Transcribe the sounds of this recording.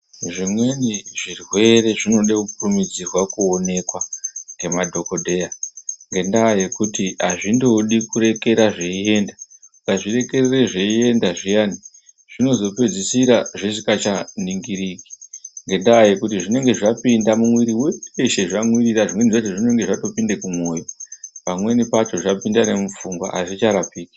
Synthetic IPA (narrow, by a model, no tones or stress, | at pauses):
ʐimwe̞niʐirwe̞re̞ʐino̞ɗekupurumid͡zirwakuone̞kwane̞madʱo̞ko̞dʱe̞jaŋɡe̞ndaːje̞kutiɦaʐindo̞ɗikuɾe̞ke̞ɾaʐeie̞ːndasaʐire̞kerereʐeie̞ndaʐijani | ʐ̥ino̞zo̞pe̞d͡zisiɾaʐesikat͡ʃaniŋɡiɾiki̥ŋɡe̞ndaːje̞kutiʐine̞ŋɡe̞ʐapindamumwiɾiweeʃe̞ʐamwiriɾaʐimwe̞niʐat͡ʃoʐine̞ŋɡe̞ʐato̞pindekumwo̞ːjopamwe̞nipat͡ʃo̞ʐapindane̞mufuŋɡwa̰aʐit͡ʃaɾapiːki̥